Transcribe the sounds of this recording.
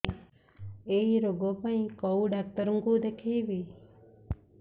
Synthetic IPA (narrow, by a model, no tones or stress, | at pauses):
eiɾoɡopəɳĩkɔwɖak̚t̪əɾəŋɡuːd̪ekʰeːʋiː